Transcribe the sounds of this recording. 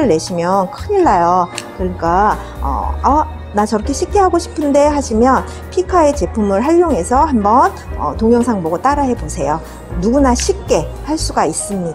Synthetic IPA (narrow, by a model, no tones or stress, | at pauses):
ɯɭːe̞ɕʰimjʌnkʰɯɲiɭːajokɯɲik͈a | ʌ̰ʌ | nat͡ɕʌɾʌkʰe̞ɕʰik̚k͈e̞ɦaɡoɕʰi̥pʰɯnde̞haɕʰimjʌn | pʰikʰae̞t͡ɕe̞pʰumɯɭɦaʎːoŋɦe̞sʰʌhambʌn | ʌ̰toŋjʌŋsʰaŋboɡot͈aɾaɦe̞bosʰe̞jo | nuɡunaɕʰik̚k͈e̞haɭs͈uɡais͈ɯmɲidaa